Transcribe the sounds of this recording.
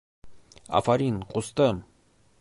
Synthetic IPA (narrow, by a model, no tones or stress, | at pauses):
ɑ̰fɑɾinqʼust̪əm